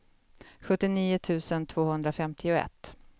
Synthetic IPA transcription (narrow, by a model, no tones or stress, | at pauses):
ɧɵt̪ːɪniːʊt̪ʰʉ̟ːsənt̪ʰvoːhɵnd̪ɾafɛmt̪ʰɪʊɛ̰t̪ː